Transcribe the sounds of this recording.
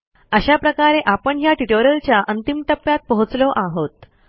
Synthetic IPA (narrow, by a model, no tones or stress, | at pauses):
əɕapɾəkaɾeʔapəɳjaʈiʈoɾəlt͡ɕjaʔənt̪imʈ̪əpːjat̪̚pəɦut͡slɔʔaɦot̪̚